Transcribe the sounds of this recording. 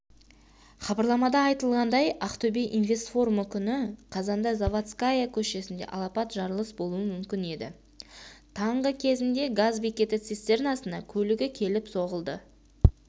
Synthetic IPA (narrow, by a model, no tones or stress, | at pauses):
χɑbɑɾlˠɑmɑd̪ɑːjt̪əlˠʁɑnd̪ɑjɑqt̪obeʔinvʲe̞st̪fo̞ruməkʲʰʏnɪqʰɑzɑnd̪ɑzavat̪skajakʲʰɵʃe̞sɪnd̪e̞̰ʔɑ̰lˠɑpɑt̪ʒɑɾəlˠəsbolˠuəmʏmkʲɪne̞d̪ɪ̰ | t̪ʰɑɴʁəkʲʰe̞zɪnd̪e̞ɡazbekʲe̞t̪ɪt̪sest̪e̞ɾɪnɑsənd̪ɑkʲʰɵlɪɡʲɪkʲʰe̞lɪpso̞ʁəlˠd̪ə